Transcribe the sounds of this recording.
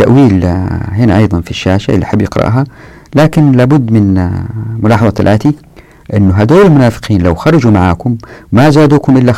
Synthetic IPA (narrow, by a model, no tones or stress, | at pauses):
aʔwiːlɦɪnaʔɑjðˤɑnfiʃːaːʃaʔɪlːiħɪbːjɪqɾˤɑ̰ʔɦa | laːkɪnlaːbʊd̪ːmɪn | mʊlɑːħɑðˤɑlʔaːt̪i | ʔɪnːʊɦad̪oːɾɪlmʊnaːfɪ̥qiːnlawxɑɾˤɑd͡ʒumaʕa̰ːkʊmːazaːd̪uːkʊmʔɪlːa